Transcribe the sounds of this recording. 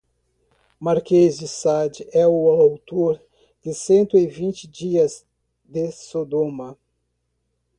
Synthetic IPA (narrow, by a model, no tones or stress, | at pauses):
maɾkezd͡ʒɪsad͡ʒɪɛʊawt̪oɾ | d̪̥ɪsẽnt̪ʊɪvĩnt͡ʃɪd͡ʒiɐz | d̪ɪsod̪õmɐ